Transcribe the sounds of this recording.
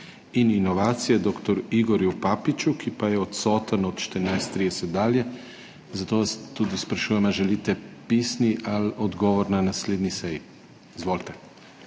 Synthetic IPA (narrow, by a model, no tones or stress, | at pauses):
ininoʋaːt̪sijad̪oːkt̪ɔɾuiɡoɾjupapit͡ʃukipajɛot̪soːt̪anot̪t͡ʃt̪əɾnajst̪ːɾiːd̪ɛsɛt̪̚d̪aːljɛ | zat̪oʋast̪ud̪ispɾaʃuːjɛmaʒɛlit̪ɛpiːsniʔalod̪ɡoʋoɾnanasleːd̪nisɛj | izʋolt̪ɛ